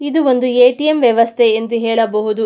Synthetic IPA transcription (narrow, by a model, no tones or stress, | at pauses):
id̪uo̞nd̪ueːʈijemʋjɛʋɐst̪ʰeend̪uɦɛːɭɐbɐɦud̪u